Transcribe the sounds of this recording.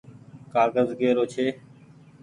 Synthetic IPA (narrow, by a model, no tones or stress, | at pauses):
kaːɾɡəzɡeːɾoːt͡ʃʰeː